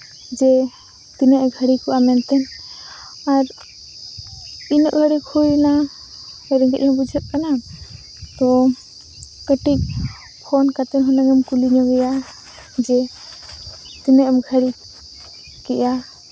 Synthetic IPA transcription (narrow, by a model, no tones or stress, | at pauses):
d͡ʒɛ | t̪inəʔɡʱəɽikɔʔamɛnt̪ɛn | aɾ | inɔʔɡʱəɽikʰujna | ɛɾɛŋɡɛʔhɔbud͡ʒʱət̪̚ˀkana | t̪ɔ | kəʈik̚ | pʰɔnkat̪ɛnɦɔnaŋɛmkuliɲɔɡɛja | d͡ʒɛ | t̪inəʔmɡʱəɽi | kɛja